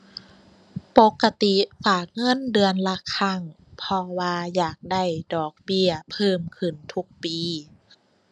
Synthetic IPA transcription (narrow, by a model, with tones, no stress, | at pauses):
po˧˦˥kːa˧t̪i˨˧faː˨˩k̚ŋɤ˧˥˨ndɯ˧ənla˧kʰa˧˩ŋ | pʰɔ˧waː˧jaː˨˩k̚da˧˥˩jdɔː˨˩k̚bi˧˩ɐpʰɤː˧˩mkʰɯ˧˩nt̪ʰu˦˥k̚piː˧